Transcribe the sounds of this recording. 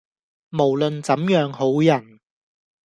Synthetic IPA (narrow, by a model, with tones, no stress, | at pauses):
mo˨˩wlɵ˨nt͡sɐ˨˥mjœː˨˧˥ŋho˨˥wjɐ˨˩n